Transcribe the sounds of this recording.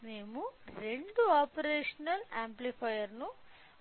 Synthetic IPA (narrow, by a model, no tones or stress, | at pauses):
ne̞ːmuɾe̞ɳɖuaːpɐɾeːʂɐnɐlaːmplipʰɐjɐɾnu